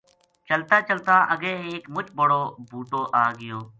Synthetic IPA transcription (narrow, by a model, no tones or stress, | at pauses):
t͡ʃəlt̪aːt͡ʃəlt̪aːʔəɡẽːeːkmʊt͡ʃbəɽoːbʱuːʈoːʔaːɡɪjoː